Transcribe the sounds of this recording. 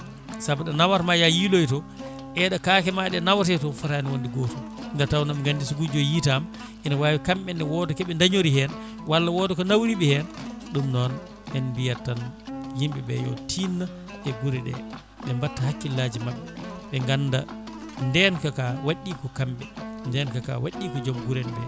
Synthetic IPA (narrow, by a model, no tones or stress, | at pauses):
sabaɗanawaɾmajajilojtɔ | ʔɛɗakakɛmaɗɛnawatɛtɔfɔtaniwondiɡɔtuŋɡatawnamŋɡandisuɡud͡ʒɔjitam | ʔɛnawaːwikamɓɛndɛwɔdɔkɛɓɛndaɲoɾihɛn | walːawɔdɔkɔnawɾiɓɛhɛnɗumnɔn | ʔɛnbijatːanjimɓɛbɛ̰jɔ̰tʰinːa | ɛɡuɾɛɗɛ̰ | ɓɛmbatːahakːilːad͡ʒimaɓːɛɓɛŋɡanːda | ndɛnkakawaɗːikɔkamɓɛndɛnkaka̰wa̰ɗːikɔd͡ʒɔmɡuɾɛnbɛ̰